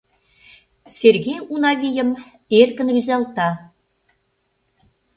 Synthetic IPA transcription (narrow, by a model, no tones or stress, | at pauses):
sʲerɣʲejunɑβʲijə̆m | erɣɘ̆nryzɑlˠt̪ɑ